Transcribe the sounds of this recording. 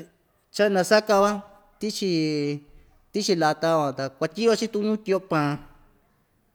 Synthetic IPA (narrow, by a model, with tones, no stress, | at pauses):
t͡ʃa˦nã˧sa˦ka˧βa˦ | t̪i˦t͡ʃi˧ | t̪i˦t͡ʃi˧la˧t̪a˧βa˨t̪a˨kʷa˧t̪ʲi˦βa˧t͡ʃi˦t̪ũ˦˧˦ɲũ˦t̪i˧o˧pã˨˧˨